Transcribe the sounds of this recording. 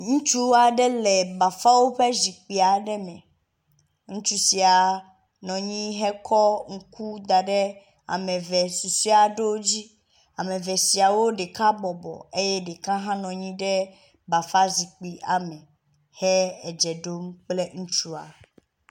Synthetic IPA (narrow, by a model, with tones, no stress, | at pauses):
ŋũ˦t͡ʃu˦a˨ɖɛ˦lɛ˨ba˨fa˦wo˦ɸɛ˦zi˨k͡pi˨a˨ɖɛ˦mɛ̃˨ | ŋũ˦t͡ʃu˦si˨a˨ | nɔ̃˨ɲĩ˦ɦɛ˦kʰɔ˦ŋ̩˦ku˦d̪a˨ɖɛ˦ | a̰˨mɛ̃˨vɛ˨si˨si˦a˨ɖo˦wo˦d͡ʑi˦ | a˨mɛ̃˨vɛ˨si˨a˨wo˦ɖɛ˨kã˦bɔ˨bɔ̰˨e˦jɛ˦ɖɛ˨kã˦ɦã˦nɔ̃˨ɲĩ˦ɖɛ˦ | ba˨fa˦zi˨k͡pi˨ʔa˨mɛ̃˨ | hɛ˦ɛ˨d͡ʒɛ˨ɖo˦mk͡ple˦ŋũ˦t͡ʃu˦a̰˨